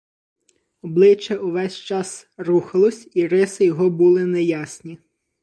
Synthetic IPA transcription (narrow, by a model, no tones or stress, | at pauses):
ɔblˠɪt͡ʃːɛuʋɛsʲt͡ʃɑs | ruxɐlˠɔsʲiɾɪsɪjɔɦɔbulˠɪnɛjasʲnʲi